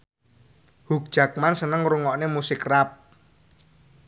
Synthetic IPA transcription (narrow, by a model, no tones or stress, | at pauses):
huk̚d̥ʒ̥a̤k̚mansənəŋɾuŋɔʔnemusɪkrap̚